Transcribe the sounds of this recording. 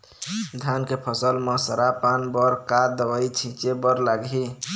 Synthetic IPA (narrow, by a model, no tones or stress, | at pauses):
d̪ʱankepʰəsəlmə̃səɾapanbəɾkad̪əwəit͡ʃʰĩt͡ʃebəɾlaɡɦi